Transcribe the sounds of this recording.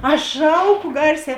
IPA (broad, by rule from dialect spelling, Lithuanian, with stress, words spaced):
ˈɐʃ ˈʃɐʊˌkʊ ˈɡɐrʲˌsʲɛː